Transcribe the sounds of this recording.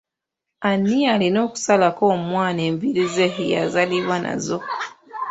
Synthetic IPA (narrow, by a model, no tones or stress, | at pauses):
anːialino̞ːku̥salako̞mwaːneːmbiɾize̞ija̰zaliβwana̰zo̞